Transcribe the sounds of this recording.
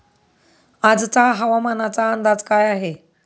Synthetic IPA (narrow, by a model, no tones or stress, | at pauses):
ad͡zt͡saɦəʋamanat͡saənd̪ad͡zkajaɦe